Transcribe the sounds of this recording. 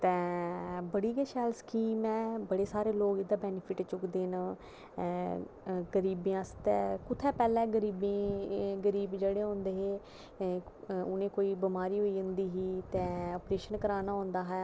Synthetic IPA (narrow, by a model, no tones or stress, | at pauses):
t̪ɛ̃ːbəɽiːɡeːʃɛːlskiːmɛːbəɽeːsaːɾeːloːɡɪd̪aːbɛːnɪpʰɪʈt͡ʃʊkd̪eːn | ɡəɾiːbeãːst̪ɛːkʊt̪ʰːɛ̃ːpɛːlɛ̃ːɡəɾiːbẽːɡəɾiːbd͡ʒeːɽeːɦõːnd̪eːɦeː | ʊnẽːkoːiːbɪmaːɾiːɦoːiːʊ̃nd̪iːɦiːt̪ɛ̃ːɔːpɾeːʃənkəɾaːnaːɦõːnd̪aːɦɛː